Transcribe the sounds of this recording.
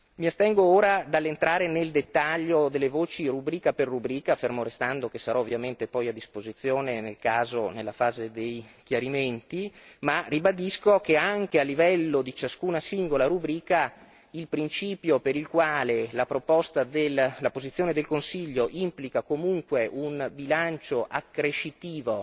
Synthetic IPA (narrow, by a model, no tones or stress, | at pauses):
miast̪ɛŋɡooːɾad̪alːent̪ɾaːɾeneld̪et̪ːaʎːod̪elːevoːt͡ʃirubɾiːkaperːubɾiːkaːfermoɾest̪and̪okesaɾɔːvːjament̪epɔjad̪ːispozit̪sːjoːnenelkaːzo̰nelːafaːzed̪ejk̟jaɾiment̪imarːibad̪iskokeaŋkealːivɛlːod̪it͡ʃaskuːnasiŋɡolaɾubɾiːka | ilpɾint͡ʃiːpjopeɾilkwaːlelapɾopɔst̪ad̪elːapozit̪sːjoːned̪elkonsiʎːoʔimplikakomuŋkweʔunbilant͡ʃoʔakːɾeʃit̪iːvo